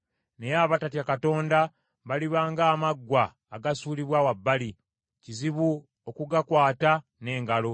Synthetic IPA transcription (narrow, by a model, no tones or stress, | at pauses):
ne̞jaβatatjakato̞ːnda | βaliβaːŋɡaːmaɡːwaː | ɡasuːliβwawabːali | ciziβu | okuɡakwaːtane̞ːŋɡalo̞